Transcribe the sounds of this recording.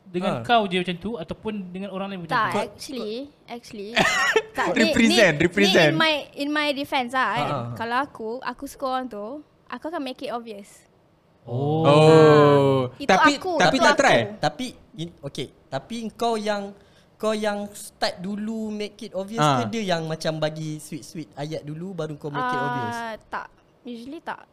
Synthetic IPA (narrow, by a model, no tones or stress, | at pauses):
dəŋãnkawd͡ʒat͡ʃant̪uat̪awpʊndəŋãnoɾaŋlaimkud͡ʒak̚t͡ʃəli | ɛk̚t͡ʃulit̪aɾipɾizɛ̃nɾipɾɛzɛ̃nmajinmajdifɛ̃nsãkalawakua̰kuskɔaŋt̪u | ʔakuakãnmekitɔviəs | oo | it̪aikuapinat̪ɾajt̪api | ioke | t̪apiəŋkawjaŋ | kawjaŋst̪at̪̚dulumekit̪̚ɔviəskədəjaŋmãt͡ʃambaɡiswit̪̚swit̪̚ajaʔ̚dulubaɾuŋkawmekit̪ɔviəst̪a̰ʔ | juʒəlit̪a̰ʔ